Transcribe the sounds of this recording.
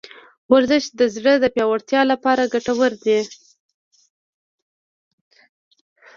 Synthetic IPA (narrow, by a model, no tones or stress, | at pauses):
waɾzəʃt̪̚d̪əzɽəd̪əpjɑwaɽt̪jɑlapɑɾaɡaʈawəɾd̪e